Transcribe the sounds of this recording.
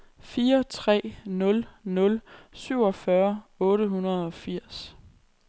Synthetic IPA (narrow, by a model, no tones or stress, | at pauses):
fiːɐt͡sʰʁɛ̰ːnɔ̽lnɔ̽lsyʊ̰ɒ̽fɶɐɔ̽ːɾəɦunɐð̞ˠɒ̽fiɐ̰s